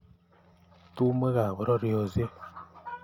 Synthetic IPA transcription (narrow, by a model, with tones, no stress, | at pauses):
tu˦m˦e˦ɣa˨βɔ˨ɾɔ˦ɾe˦o˨ze˦